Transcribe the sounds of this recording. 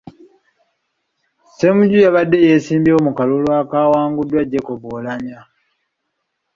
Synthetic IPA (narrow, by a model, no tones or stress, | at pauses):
se̞muɟujaβadːe̞jesiːmbjeomukalulwaːkaːwaːŋɡudːwaɟːe̞koβolamja